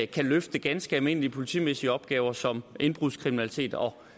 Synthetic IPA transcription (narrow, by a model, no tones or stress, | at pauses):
kʰæløfd̥əɡ̥ænsɡ̥əælme̝n̰əliəpʰo̝lit͡sʰḭːmesiəɒ̽b̥̚ɡ̥ɛːʊɐsɒ̽me̝nb̥ʁuðˠskʰʁiminælit͡sʰe̝̰ːd̥ɒ̽